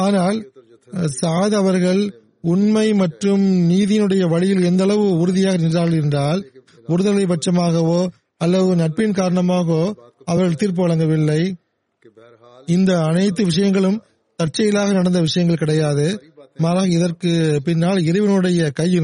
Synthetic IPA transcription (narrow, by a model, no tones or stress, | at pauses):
aːnaːl | saːðɐʋɐɾɣɐɭ | ʊɳmɐɪmɐʈrɯmniːðɪjnɯɽɐjɐʋɐɻɪjɪlɛnd̪ɐɭɐʋɯʊɾɯðɪjaːɣɐnɪnraːɭɪɾɯnd̪aːl | ʊɾɯðɐlɐɪpɐʈt͡ʃɐmaːɣɐʋoː | ɐlːɐʋɯnɐʈ̚pɪnkaːɾɐɳɐmaːɣɐoːɐʋɐɾɣɐɭt̪iːɾp̬ɯʋɐɭɐŋɡɐʋɪlːɐɪ | ɪnd̪ɐːnɐɪt̪̬ːɯʋɪʂ̬ɐjɐŋɡɐɭɯm | t̪ɐʈ̚t͡ʃɐjɪlaːɣɐnɐɽɐnd̪ɐʋɪʂɐjɐŋɡɐɭkɪɽɐjaːðɯmaːɾaːɣɐɪðɐrkɯpɪnːaːlɪɾɐʋɪnɯɽɐjɐkɐjːɪ